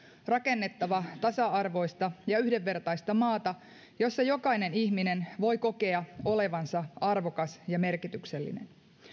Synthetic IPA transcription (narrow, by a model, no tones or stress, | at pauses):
rɑke̞nːe̞t̪ːɑʋɑt̪ɑsɑɑrʋo̞jst̪ɑjɑyhdeʋːe̞rt̪ɑjst̪ɑmɑːt̪ɑ | jo̞sːɑjo̞kɑjne̞niçmine̞nʋo̞jko̞ke̞ɑo̞le̞ʋɑnsɑɑrʋo̞kɑsjɑme̞rkit̪ykse̞lːḭne̞̰n